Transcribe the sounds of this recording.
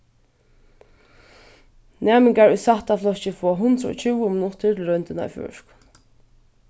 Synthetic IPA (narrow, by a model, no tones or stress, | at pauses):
nɛːmɪŋkaɹujsaht̪aflɔt͡ʃɪfɔːɦʊnt̪ɾəɔ̰t͡ʃʰuwʊmɪnʊt̪ɪɹt̪ʰɪlɾœnt̪ɪna̰fjɔ̰ʂk